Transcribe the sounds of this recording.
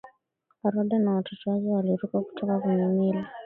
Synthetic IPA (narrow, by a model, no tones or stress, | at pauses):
aɾɔɗanawatɔtɔazɛwaliɾukaku̥tʰɔkakuɲumila